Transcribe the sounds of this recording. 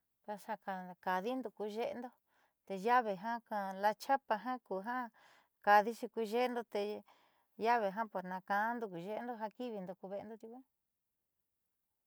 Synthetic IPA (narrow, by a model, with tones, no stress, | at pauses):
ka˧ʃa˧ka˧˨ka˨ði˦nd̪u˧ku˧ʒe˦˧nd̪o˦ | t̪e˧ja˦βe˧ɦã˦kã˧la˧t͡ʃa˦pa˧ɦã˦ku˧ɦã˦ | ka˧ði˦t͡ʃi˧ku˧ʒe˦˧nd̪o˧t̪e˧ | ja˦βe˧ɦã˦po˨ɾnã˧kã˧˦nd̪u˧ku˨ʒe˦˧nd̪o˧ɦã˧ki˦βi˧nd̪o˧ku˧βe˧e˧nd̪o˧t̪ju˧kʷã˦